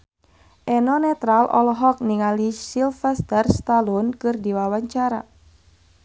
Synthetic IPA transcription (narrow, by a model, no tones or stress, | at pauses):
ʔɛnɔnɛt̪ɾalʔɔ̰lɦɔk̚niŋalisilfɛst̪ɛrst̪alɔnkɨrdiwawaɲt͡ʃaɾa